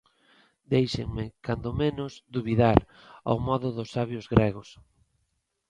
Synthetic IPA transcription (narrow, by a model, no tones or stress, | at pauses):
d̪ejʃeŋmɪkand̪ʊmenʊzd̪uβiðaɾ | a̰wmɔðʊðʊsːaβjʊzɣɾɛɣʊs